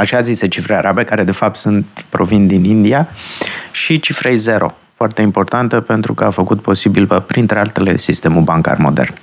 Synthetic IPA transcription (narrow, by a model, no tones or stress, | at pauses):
aʃaːziset͡ʃifɾejaɾʔabe̞kaɾe̞d̪e̞fap̚t̪sunt̪pɾo̞vind̪inind̪ia | ʃit͡ʃifɾe̞jze̞ɾo̞̰ | foart̪e̞impo̞rt̪ant̪əpe̞nt̪ɾukəafəkut̪̚po̞sibiləpɾint̪ɾe̞alt̪e̞le̞̰sist̪e̞mulbaŋka̰rmo̞̰d̪ḛrn